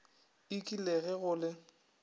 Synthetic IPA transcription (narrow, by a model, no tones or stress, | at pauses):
ɪkʼileɣɛɣʊːlɪ